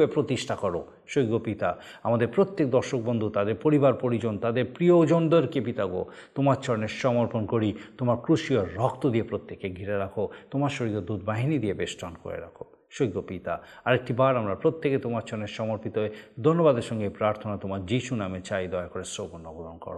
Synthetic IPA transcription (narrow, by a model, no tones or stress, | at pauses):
epɾot̪iʃʈʰakɔɾo | ʃojɡːopit̪a | amad̪eɾpɾot̪ːek̚d̪ɔɾʃok̚bond̪ʱut̪ad̪eɾpoɾibaɾpoɾid͡ʑont̪ad̪eɾpɾiod͡ʑonɖ̪oɾkepit̪aɡo̰ | t̪omaɾt͡ʃʰɔɾneɾʃɔmoɾponkoɾit̪omaɾkɾuʃioːɔk̚t̪od̪iepɾot̪ːekeɡʱiɾeɾakʰot̪omaɾʃoɾid̪od̪ud̪baɦinid̪ijebesʈanko̰ɾḛɾa̰kʰo | ʃojɡopit̪aaɾek̚ʈibaɾamɾapɾot̪ːeket̪omaɾt͡ʃʰɔɾneɾʃɔmoɾpit̪oed̪ʱonːobad̪eɾʃɔŋɡepɾaɾt̪ʰonat̪omaɾd͡ʑiʃunamet͡ɕajd̪ɔeakoɾesɾoɡonːoɡoɾonkɔ̰ɾo